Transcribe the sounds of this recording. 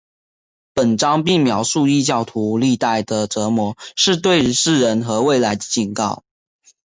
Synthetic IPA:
pə˨˩nʈ͡ʂɑ˥ŋpi˥˩ŋmjɑ˧˥ʊʂu˥˧i˥˧t͡ɕjɑ˥˩ʊt̪ʰu˧˥li˥˧t̪a˥˩ɪd̪ə˨˩ʈ͡ʂɤ˧˥mwɔ˧˥ʂɻ̩˥˧t̪̬we˥˧ɪ˧ʂɻ̩˥˩ɻə˧˥nxɤ˧˥we˥˩ɪla˧˥ɪd̪ə̥˨t͡ɕi˨˩nkɑ˥˩ʊ

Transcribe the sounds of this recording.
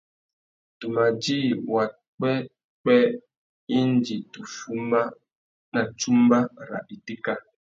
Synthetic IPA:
tu˨ma˨d͡ʒiː˦˨wa˨ | k͡pɛ˦ | k͡pɛ˦ | i˦n˦d͡ʒi˨tu˨fu˦m˦ba˦ | na˨t͡ʃu˦m̩˦ba˦˨ɾa̰˨ɗi˨ti˦ka˦

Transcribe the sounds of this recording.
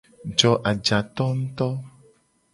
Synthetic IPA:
d͡ʒɔ˨ʔa˨d͡ʒa˨t̪ɔ˦ŋ̩˦t̪ɔ˦

